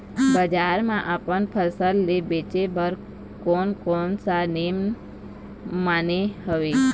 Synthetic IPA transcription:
bəd͡ʒaɾmãʔapənpʰəsəlːebet͡ʃebʱəɾ | konkonsanem | manehəʋe

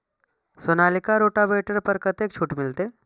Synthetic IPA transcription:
soːnaːlɪkaɾoːʈaʋeːʈəɾpəɾkɐt̪eːk̚t͡ʃʰuːʈmɪlt̪eː

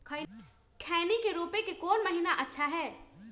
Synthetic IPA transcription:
kʰə | kʰɛːnikeɾoːpekekoːnməɦinaʔətːʃʰaɦɛː

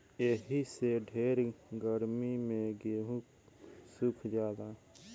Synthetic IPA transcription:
eɦiseɖʱeːɾɡəɾmimẽɡeːɦũ | sʊkʰd͡ʒjaːd̪a

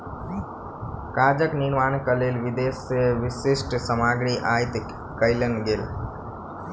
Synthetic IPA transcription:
kaːd͡ʒəknɪɾmaːnkəleːlʋɪd̪eːsːeʋɪsesʈsəmaːɡɽiʔaːjt̪ | kəɪlənɡeːl

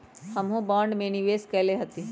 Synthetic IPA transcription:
hɐmɦõbãːɳɖmẽniʋeːskɛɦleɦɐt̪i

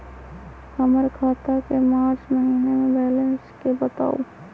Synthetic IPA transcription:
kəməɾkʰaːt̪akemaːɾt͡ʃməɦiːnemẽbɛːlẽnskebət̪a̰ːo

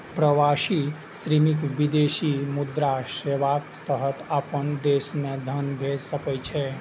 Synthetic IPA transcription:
pɾəʋaʃi | sɾimikʋid̪esimud̪ɾaseʋakt̪əɦət̪apənd̪esmẽd̪ʱənbʱed͡ʒsəkət͡ʃʰɛ

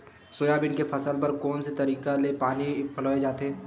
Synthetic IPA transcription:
soːjabɪnkepʰɐsəlpɐɾkɔːnset̪ɐɾiːkalepaːnipʰɐloːed͡ʒaːt̪eɦɛ̃ː

